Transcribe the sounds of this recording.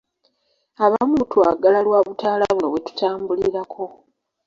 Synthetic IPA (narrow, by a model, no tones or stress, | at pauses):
aβamutwaɡalalwaːβutʰaːlaβunoβwe̞tu̥taːmbuliɾakʰo̞